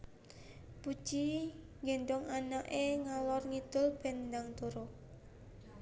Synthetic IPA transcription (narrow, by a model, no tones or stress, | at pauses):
pu̥t͡ʃi | ŋɡend̪ɔŋanaʔeŋalɔrŋid̪̥ʊlb̥ɛ̤nd̪aŋt̪uɾo